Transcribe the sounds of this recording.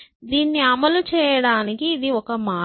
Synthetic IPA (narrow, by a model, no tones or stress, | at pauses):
d̪iːnːiɐmɐlut͡ʃɛːjɐɽaːnikiːd̪iɔkɐmaː